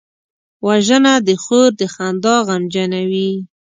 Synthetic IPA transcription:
waʒənad̪əxoɾd̪əxand̪ɑɣamd͡ʒanawi

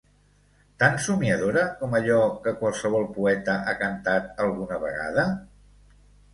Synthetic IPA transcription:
t̪ansumiəðoɾəkɔməʎɔkəkwəlˠsəβ̞ɔlˠpuɛt̪əʔakənt̪at̪əlˠɣunəβ̞ə̰ɣa̰ðə

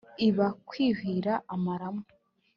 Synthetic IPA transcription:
iβakwiːhiːɾaʔːmaɾamu

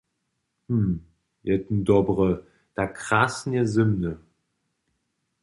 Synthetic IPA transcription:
hm̩ | jɛtn̩dɔbʁə | d̥akʁasn̩jɛzɪmnə

